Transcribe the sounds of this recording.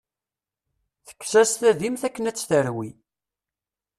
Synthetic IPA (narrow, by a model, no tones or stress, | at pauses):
θə̥kːsæsθæðimθækːənæt͡sːθəɾwi